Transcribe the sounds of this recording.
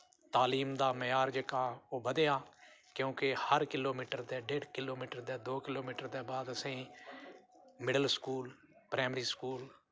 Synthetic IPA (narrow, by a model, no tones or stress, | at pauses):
t̪aːliːmd̪aːməjaːɾd͡ʒəkaːoːbəd̪eːaː | kjõːkehəɾkɪloːmiːʈəɾd̪eːɖeːɖkɪloːmiːʈəɾd̪eːd̪oːkɪloːmiːʈəɾd̪eːbaːd̪əsẽː | mɪɖəlskuːl | pɾɛːmɾiːskuːl